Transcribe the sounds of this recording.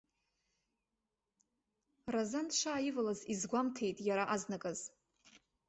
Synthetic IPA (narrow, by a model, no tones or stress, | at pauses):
razantʼʂaːjivalazizɡʷamtʰe̞jtʼjaɾaʔaznakʼaz